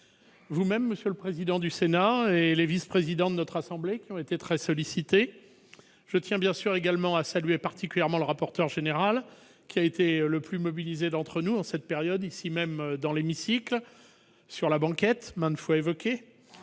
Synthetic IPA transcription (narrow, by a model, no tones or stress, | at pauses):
vumɛmːəsjələpχezid̪ɑ̃d̪ysenaelevispχezid̪ɑ̃d̪ənɔt̪χasɑ̃blekʲiɔ̃et̪et̪χɛsɔlisit̪e | ʒ̥ət̪jɛ̃bjɛ̃syʁeɡalmɑ̃asalɥepaʁt̪ikʲyljɛʁmɑ̃ləʁapɔʁt̪œʁʒeneʁal | kʲiaet̪eləplymɔbilized̪ɑ̃t̪χənuɑ̃sɛt̪̚peʁjɔd̪isimɛmd̪ɑ̃lemisikl | syʁlabɑ̃kɛt̪mɛ̃nfwaevɔkʲe